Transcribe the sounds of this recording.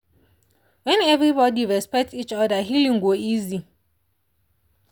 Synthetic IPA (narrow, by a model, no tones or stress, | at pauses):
wɛ̃nɛvɹibɔdiɹɛspɛk̚tit͡ʃɔdaɦilĩŋɡwoizi